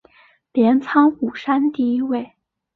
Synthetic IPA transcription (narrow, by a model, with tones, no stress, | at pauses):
ljɛ˧˥nt͡sʰɑ˥ŋxu˨˩ʂa˥nt̪i˥˧i˥we˥˩ɪ